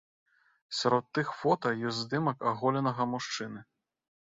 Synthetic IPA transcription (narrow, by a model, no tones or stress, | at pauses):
sʲaɾɔt̪ːɨxfɔt̪ɐjɔzʲzd̪ɨmɐkaɣɔlʲɐnɐɣɐmuʂt͡ʂɨnɨ